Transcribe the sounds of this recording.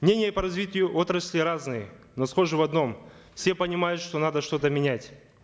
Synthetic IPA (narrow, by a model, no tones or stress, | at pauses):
mnʲenʲɪjəpɐɾɐzʲvʲitʲɪjʊʔo̞t̪ɾəsʲlʲɪɾaznɨjəno̞sχo̞ʐɨvɐd̪no̞m | fsʲepənʲɪmajʊt̪ʂt̪o̞nad̪əʂt̪o̞t̪əmʲɪnʲætʲ